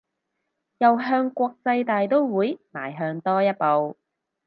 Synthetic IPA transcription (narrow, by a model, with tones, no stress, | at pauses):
jɐ˨wɦœː˧ŋkʷɔː˧k̚t͡sɐ˧jt̪aː˨jt̪o˥wwuː˨˥jmaː˨˩jɦœː˧ŋt̪ɔː˥jɐ˥t̚po˨w